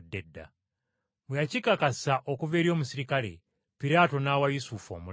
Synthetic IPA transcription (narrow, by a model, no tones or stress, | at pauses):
dːedːa̰ | mwejacikakasaʔokuve̞ːɾjo̞ːmusiɾikale̞̰ | piɾaːto̞nawajusufo̰mu